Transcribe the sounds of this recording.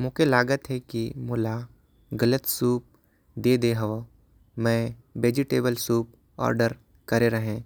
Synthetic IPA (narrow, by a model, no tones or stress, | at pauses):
mʊ̃kelaːɡət̪ɦɛkimʊla | ɡɐlət̪suːp̚ | d̪eːd̪eɦɐʋo | mɛ̃ʋeːd͡ʒɪʈeːbəlsuːp̚ | ɔ̰ːɾɖəɾ | kɐɾeɾɐɦẽː